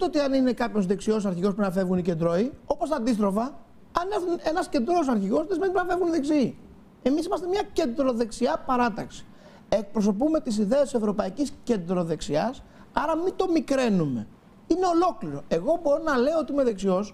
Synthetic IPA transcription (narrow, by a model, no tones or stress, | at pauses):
t̪ot̪iɐnine̞kɐpço̞zðe̞ksio̞sɐɾçiɣo̞s̬punɐfe̞vɣunice̞nd̪ɾo̞io̞po̞st̪ɐnd̪ist̪ɾo̞fɐ | ɐneθune̞nɐsce̞nd̪ɾo̞s̬ɐɾçiɣo̞sðezimenipnɐfevɣuniðeksii | e̞misimɐst̪e̞mɲɐce̞nd̪ɾo̞ðe̞ksiɐpɐɾɐt̪ɐksi̥ | e̞k̚pɾo̞s̬o̞pume̞t̪is̬iðe̞ɐst̪sevɾo̞pɐicisce̞nd̪ɾo̞ðe̞ksiɐs | ɐɾɐmit̪o̞mikɾe̞nume̞̰ | ine̞o̞lo̞kliɾo̞e̞ɣo̞bo̞ɾonɐle̞oot̪iimeðe̞ksio̞s